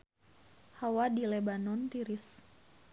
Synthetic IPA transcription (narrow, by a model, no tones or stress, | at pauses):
hawadilebanɔnt̪iɾis